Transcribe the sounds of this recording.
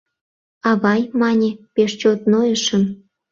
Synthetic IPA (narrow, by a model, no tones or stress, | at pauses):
ɑβɑjmɑnʲepeʃt͡ɕot̪nojə̆ʃə̆n